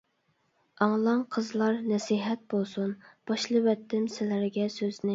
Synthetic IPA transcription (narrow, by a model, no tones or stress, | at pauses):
ɑŋlˠɑŋqʰəzlˠɑɾnɛsiɦɛt̪̚bolˠsunb̥ɑʃlˠɨwɛt̪ːɪmsɪlæɾɡʲɛsøznɪ